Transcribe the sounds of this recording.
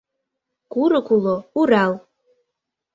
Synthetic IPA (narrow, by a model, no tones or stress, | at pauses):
kuɾəkʷulouɾalˠ